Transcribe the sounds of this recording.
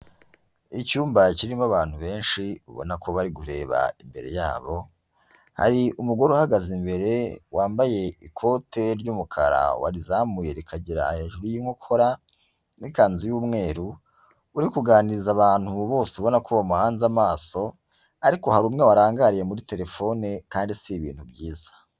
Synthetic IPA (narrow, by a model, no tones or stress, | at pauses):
icuːmbaciɾimaβaːn̥huβe̞ːnʃiṵβo̞̰nakʰo̞βaɾiɡuɾe̞ːβa̰imbe̞̰ɾe̞̰ja̰ːβo̞ | ha̰ɾiʔumuɡo̞ɾehaɡazimbe̞ɾe̞waːmbaje̞ikʰo̞te̞ɾɟuːmukʰa̰ɾa̰wa̰ɾizaːmujeɾikʰaɟiɾa̰he̞ːʒuɾujiŋokʰo̞ɾa | nikaːnzujuːmŋe̞ːɾu | uɾikuɡaːnizaβaːn̥huβo̞ːseuβo̞nakuβamuhaːnzamaːso̞ | aɾiko̞haɾuːmŋe̞waɾaːŋɡaɾije̞muɾite̞ɾe̞fo̞nekaːndisiβḭːn̥hubɟiːzḁ